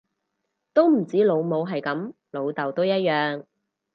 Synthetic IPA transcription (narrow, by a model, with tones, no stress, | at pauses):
t̪o˥wm̩˨˩t͡siː˨˥lo˨˧wmo˨˧wɦɐ˨jkɐ˨˥m | lo˨˧wt̪ɐ˨wt̪o˥wjɐ˥t̚jœː˨ŋ